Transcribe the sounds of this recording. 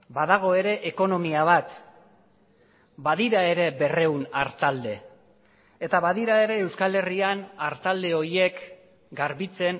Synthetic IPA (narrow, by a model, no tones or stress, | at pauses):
baðaɣ̞o̞e̞ɾe̞ʔeko̞no̞miaβ̞at̪ | baðiɾae̞ɾe̞be̞re̞wnaɾt̪ald̪e̞ | et̪aβaðiɾae̞ɾe̞ːwskale̞rianaɾt̪ald̪e̞o̞ɾje̞k | ɡaɾβit͡se̞n